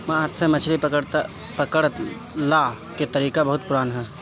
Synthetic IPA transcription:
maat̪semət͡ʃʰɾipəkəɽt̪ | pəkəɽ | la | ket̪əɾiːkabəɦʊt̪̚pʊɾaːnɦɛː

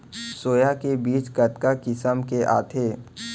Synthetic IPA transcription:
soːjakebiːt͡ʃkət̪kakɪsəmkeʔa̰ːt̪ʰeː

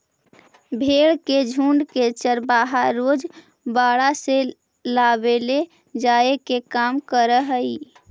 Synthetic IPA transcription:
bʱeɽked͡ʒʱuɳɖket͡ʃəɾbaɦaɾod͡ʒ | baɽase | labele | d͡ʒaekekamkəɾəɦəi

